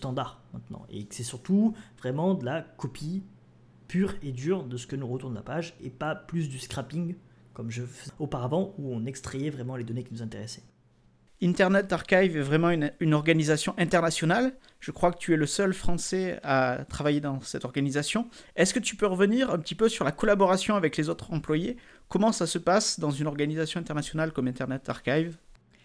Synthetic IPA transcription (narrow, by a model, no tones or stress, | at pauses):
st̪ɑ̃d̪aʁmɛ̃t̪nɑ̰̃ḛsɛsyʁt̪uvʁɛmɑ̃d̪əlakɔpʰi | pyʁed̪yʁd̪əsə̥kənuʁət̪uʁnla̰paʒepaplys̬d̪yskχapiŋ | kɔmʒəfəopaʁavɑ̃uɔ̃nɛkst̪χejɛvʁɛmɑ̃led̪ɔnekʲinuzɛ̃t̪eʁɛsɛ̥ | ĩnt̪ɛʁnɛt̪ːaʁkajvɛvʁɛmɑ̃ynynɔʁɡanizasjɔ̃ʔɛ̃t̪ɛʁnasjɔnal | ʒ̥əkχwakə̥t̪ʰyɛləsœlfχɑ̃sɛat̪χavajed̪ɑ̃sɛt̪ɔʁɡanizasjɔ̃ɛskət̪ypøʁəvəniʁɛ̃pət̪ipøsyʁlakɔlabɔʁasjɔ̃avɛklezot̪χɑ̃plwaje | kɔmɑ̃sasəpasd̪ɑ̃zynɔʁɡanizasjɔ̃ɛ̃t̪ɛʁnasjɔnalkɔmɛ̃t̪ɛʁnɛt̪a̰ʁkajv